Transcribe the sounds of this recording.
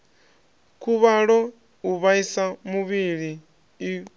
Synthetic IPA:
kuβaɺo | uβaisamuβiliː

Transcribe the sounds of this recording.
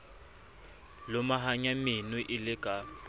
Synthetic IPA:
lʊmaɦaɲamɪnwɪʔɪlɪkʼa

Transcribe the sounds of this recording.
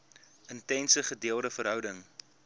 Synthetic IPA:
əntɛnsəχədiəlˠdəfərɦœwdəŋ

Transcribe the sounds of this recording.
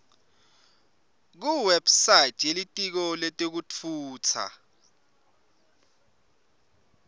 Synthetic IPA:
k̬uwɛbsajtʰʼjelitʼik̬ɔletʼek̬ut͡fʰuːt͡sʰa̰

